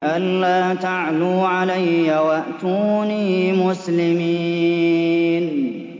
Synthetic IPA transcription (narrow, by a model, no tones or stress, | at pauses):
ʔalːaːt̪aʕluːʕalajːawaʔt̪uːniiːmʊslɪmi | n